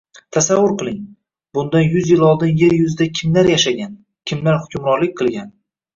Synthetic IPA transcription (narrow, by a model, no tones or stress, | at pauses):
t̪ʰasavːʊɾqɨlˠɪŋ | bʊnd̪anjʊzjɪlˠɒlˠd̪ɪnje̞ɾjʊzɪd̪akʲʰɪmlaɾjaʃaɡʲan | kʲʰɪmlaɾhʊkʲʰʊmɾɒɾlɪk̚ʲqʰɨlˠɡʲan